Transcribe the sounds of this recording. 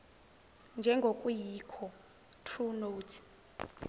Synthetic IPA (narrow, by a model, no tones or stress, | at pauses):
nd͡ʒʱɛŋɡʱokʼujikʰɔ | tʰrunotʰ